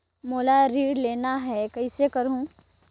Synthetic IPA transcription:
moːlaɾiːɽleːnaɦɛkɐisekɐɾũː

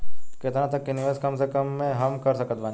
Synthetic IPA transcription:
kɪt̪ənãt̪ɐkːenɪʋeːskɐmsekəmːẽɦɐmkɐɾsəkət̪̚baːn

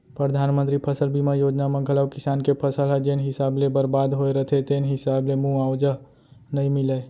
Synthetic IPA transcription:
pɾəd̪ʱaːnmənt̪ɾipʰəsəlbimajoːd͡ʒnamẽɡələbkɪsaːnkepʰəsəlɦɛd͡ʒeːnɦɪsaːblebəɾbad̪ɦoeɾət̪ʰet̪eːnɦɪsaːblemũawd͡ʒəɦ | nəĩmɪle

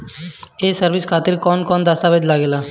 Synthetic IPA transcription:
eːsəɾʋɪskʰaːt̪ɪɾkɔːnkɔːnd̪aːst̪aːʋɪd͡ʒlaːɡeːlaː

